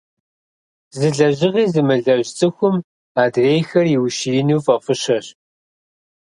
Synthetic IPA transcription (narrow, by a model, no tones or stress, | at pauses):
zɨɮɐʑɪʁiːzɨmɨɮɐʑt͡sʼɨxʷʊm | aːdreːjxɐrjɪwʃiinuːfʼɐfɨɕɐɕ